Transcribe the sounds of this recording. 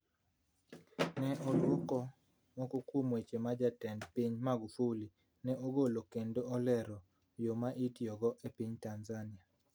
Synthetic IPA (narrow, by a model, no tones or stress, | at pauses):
nɛʔɔlwokɔ | mɔkokwomwet͡ʃemad͡ʒatɛndpiɲmaɡufuli | nɛʔoɡolokendoɔlɛɾɔ | jomaʔitijɔɡɔʔepiɲtanzanɪa